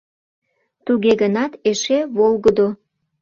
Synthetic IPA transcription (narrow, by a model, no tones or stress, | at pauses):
t̪uɣeɣənɑt̪eʃeβolɣəd̪o